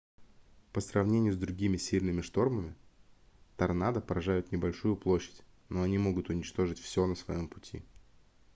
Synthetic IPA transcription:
pəsrɐvnʲenʲɪjʊzd̪ɾʊɡʲimʲɪsʲilʲnɨmʲɪʂt̪o̞rməmʲɪ | t̪ɐrnad̪əpəɾɐʐajʊt̪nʲɪbɐlʲʂujʊplˠo̞ɕːɪ̥tʲ | no̞ɐnʲimo̞ɡʊt̪ʊnʲɪt͡ɕt̪o̞ʐɨtʲfsʲo̞nəsvɐ̰jo̞mpʊtʲḭ

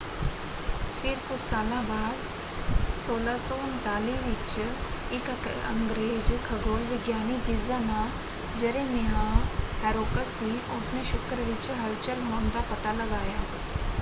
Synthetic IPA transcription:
fʰɪɾkʊt͡ʃʰsaːlãːbaːd̪ | soːlaːsɔːʊnt̪aːliːʋɪt͡ʃɪkə̰ŋɡɾeːd͡ʒkʰəɡoːlʋɪɡjaːniːd͡ʒiːzãːnãː | d͡ʒəɾẽːmɪɦãːhɛːɾoːkəsiːʔʊsnẽːʃʊkɾʋɪt͡ʃɦəlt͡ʃəɾɦoːnd̪aːpət̪aːləɡaːjaː

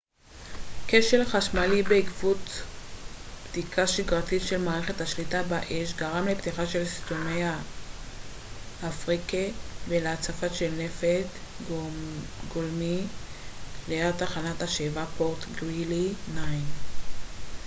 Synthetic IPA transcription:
keʃe̞lχaʃmalibeikvut̪ | pd̪ikʰaʃiɡʁatitʃe̞lmaːʁeχet̪haʃlitabaʔeʃɡaʁamlept̪iχaʃelst̪omeja | afʁikeveleat͡safaʃelnefet | ɡolmi | leeʁt̪aχanataʃevapo̞ʁt̪ɡʁilinajn

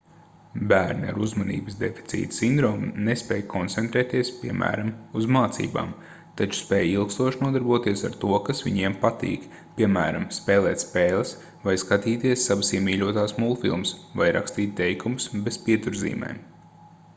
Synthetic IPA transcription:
bæːɾna̰ɾuzmanḭːbəsd̪efi̥tsḭːt̪sind̪ɾɔːmnespɛːjkʰɔnt̪sɛnt̪ɾɛːt̪iɛspʲiɛmʔæ̰ːɾamuzmaːt̪sḭːba̰ːm | t̪at͡ʃu̥spɛːjilˠkst̪uɔʃnuɔd̪aɾbuɔt̪iɛsaɾt̪uɔkasʋḭɲiɛmpat̪ḭːk | pʲiɛmæːɾamspɛːlˠɛːt̪ʲspeːlˠɨs | vajskat̪iːt̪iɛsːaʋasiɛmiːʎʲuɔt̪aːsmulˠfḭlˠmsvajɾa̰kst̪iːt̪̚ʲt̪ɛjkumʊsbespiɛt̪uɾzḭːmɛ̰jm

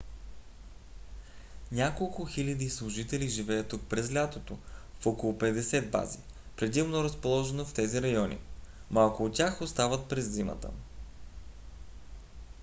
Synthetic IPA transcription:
nʲakolˠkʊxilʲɐd̪islˠʊʒit̪ɛliʒivɛjət̪ːuk̚pɾɛzlʲat̪ot̪ofɔkolˠʊpɛd̪ɛsɛd̪̚ba̰zi | pɾɛd̪imnoɾəspolˠɔʒɛnoft̪ɛziɾɐjɔnʲḭmalˠkʊːt̪t̪ʲjaxost̪avət̪̚pɾɛzːimə̰t̪ə̰

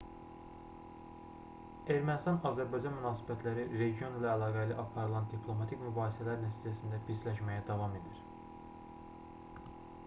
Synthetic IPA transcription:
eɾmænist̪ɑnɑzæɾbɑjd͡ʒɑnmynɑːsi̥bæt̪ʰlæɾiɾe̞ɡijo̞nilæːlˠɑːɡæliʔɑpʰɑɾɯlˠɑnd̪ipʰlˠo̞mɑt̪ʰicmybɑːhsælæɾnæt̪ʰiːd͡ʒæsind̪æpʰislæʃmæjæd̪ɑvɑme̞d̪iɾ̥

